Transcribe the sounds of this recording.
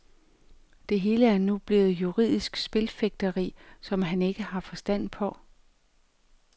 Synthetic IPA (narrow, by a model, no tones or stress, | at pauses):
d̥e̝ɦe̝ːləæɐnub̥le̝ːð̩ˠjuʁið̞̰ˠisɡ̥sb̥e̝lfeɡ̥̚d̥ɐʁḭːsɒ̽mɦæne̝ɡ̥əhɑ̈fɒ̽sd̥æn̰pʰɒ̽